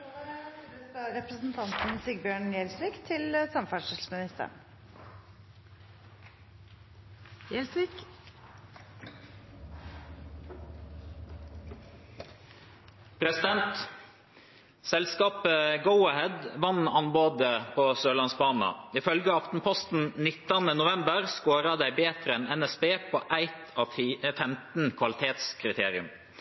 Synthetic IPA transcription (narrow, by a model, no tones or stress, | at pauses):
əɑɾɛpɾəsn̩t̪ʰɑnt̪n̩siɡbjøːɳjelsɾiːkt̪ʰɪləsɑmfæʂɪsmɪnɪst̪ə̰ɳ | ɛlsik | pʰɾɛsɪd̪ɛnt̪ | sɛlskɑːpəɡəʊɑhɛd̪ʋɑnɑnboːd̪əpʰoːsøːlɑnsbɑːnə̰ɪfœlɡəɑft̪n̩pʰɔst̪n̩nɪt̪ːɑnənʊʋɛmbəɾskoːɾɑd̪æɪbeːt̪ɾəɛnɛnɛsbeːpʰoːʔæɪt̪ʰɑːʋfɛmt̪n̩kʰʋɑlɪt̪ʰeːt̪skʰɾɪt̪ʰeːɾɪʉm